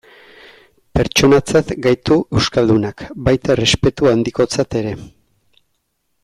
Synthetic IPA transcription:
pe̞ɾt͡ʃo̞nat͡sat̪ɡajt̪uʔe̞wskald̪unakbajt̪are̞spe̞t̪uand̪iko̞t͡sat̪e̞ɾe̞

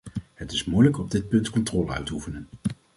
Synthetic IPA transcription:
ɦətɪsmujləkɔb̚dɪt̚pɵntkɔntrɔːləœ̰ɥtufənən

